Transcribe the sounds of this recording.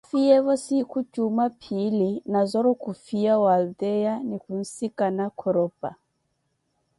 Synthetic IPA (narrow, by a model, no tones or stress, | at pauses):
fiɛβɔsikut͡ʃumapʰilinazɔɾɔkufiawaldɛjanikun̩sikanakʰɔɾɔpa̰